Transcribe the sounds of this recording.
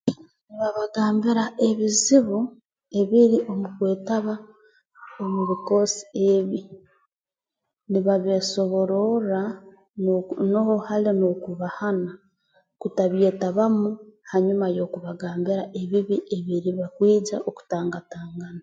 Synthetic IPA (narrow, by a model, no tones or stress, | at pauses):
niβaβaɡaːmbiɾaʔe̞βiziβu | e̞βiɾiʔo̞mukwe̞ːtaβa | omuβiko̞si̥eβi | niβaβeso̞βo̞ɾoɾa | nohohalinokuβahana | kutaβje̞ːtaβamuhaɲumajo̞ːkuβaɡaːmbiɾaʔe̞βiβiʔe̞βiɾiβakwiːd͡ʒa̰ʔoku̥taːŋɡataːŋɡana